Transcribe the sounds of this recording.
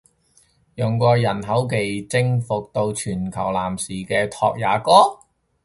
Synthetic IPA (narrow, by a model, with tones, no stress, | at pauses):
jʊ˨˩ŋkɔː˧jɐ˨˩nɦɐ˨˥wk̬e˨jt͡sɪ˥ŋfʊ˨k̚t̪o˧wt͡ʃʰyː˨˩nkʰɐ˨˩wlaː˨˩msiː˨˩kɛː˧t̪ʰɔ̰ː˧k̚jaː˨˩kɔː˥